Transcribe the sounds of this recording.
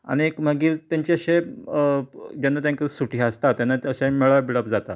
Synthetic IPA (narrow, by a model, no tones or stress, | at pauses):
a̰ñiekm̤əɡiːɾt̪jaɲt͡ɕeəɕe | d͡ʑənːat̪ãŋkəsuʈʰiːəst̪at̪janːaəɕẽmeɭʋabiɭəpd͡zat̪a